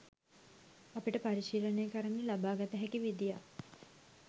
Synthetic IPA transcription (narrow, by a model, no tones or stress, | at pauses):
apiʈəpaɾiʃiːlənejːkəɾəŋelabaːɡat̪əɦækiʋid̪ija̰